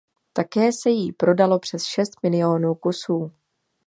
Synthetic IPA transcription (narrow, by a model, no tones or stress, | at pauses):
t̪akɛːsɛjipɾo̞dalo̞pr̝̥ɛsʃɛst̪mɪlɪjo̞nuːkusuː